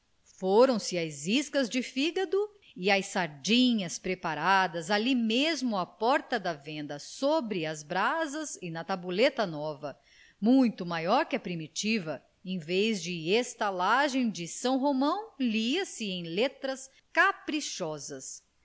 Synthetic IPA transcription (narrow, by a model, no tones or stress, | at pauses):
foɾɐ̃w̃sɪajziskɐzd͡ʒɪfiɡɐd̪ʊ | ɪajsaɾd͡ʒĩɲɐspɾepaɾad̪ɐzalimezmʊɐpɔɾt̪ɐd̪ɐvẽnd̪ɐsobɾɪɐzbɾazɐzɪnɐt̪abulet̪ɐnɔvɐ | mũj̃t̪ʊmajɔɾkɪɐpɾimit͡ʃivɐ | ẽj̃vejzd͡ʒɪest̪alaʒẽj̃d͡ʒɪsɐ̃w̃ɦomɐ̃w̃liɐsɪẽj̃let̪ɾɐs | kapɾiʃɔzɐs